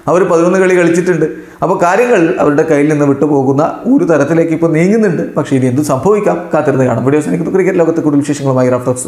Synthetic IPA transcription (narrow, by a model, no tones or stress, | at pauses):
ɐʋɐɾpɐðimonːɨkɐɭikɐɭit͡ɕːiʈːuɳɖɨ | ɐpːo̞ːkaːɾjɐŋːɐɭilɐ̰ʋɐɾuɽe̞kɐjːilninːɨʋiʈːɨpo̞ːɣunːɐoːɾut̪ɐɾɐt̪ːile̞ːkːɨipːo̞ːniːŋːunːuɳɖɨpɐkʂe̞inie̞nd̪ɨsɐmbʱɐʋikʲːaːmkaːt̪ːiɾunːɨka̰ːɳa̰mʋiɽiɐʋɐsaːnikːɨpɐkrikʲːɐɾlo̞ːɣɐt̪ːekuːɽilʋiɕe̞ːʂɐŋːɐɭumaːjiraːfʈɐs